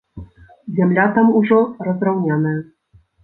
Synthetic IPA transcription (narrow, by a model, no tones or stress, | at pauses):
zʲamlʲat̪amuʐɔrɐzrawnʲanɐjɐ